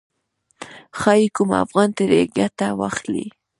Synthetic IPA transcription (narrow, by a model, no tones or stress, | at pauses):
xɑjikʊma̰fɣɑnt̪aɾeɡjat̪awa̰xlḭ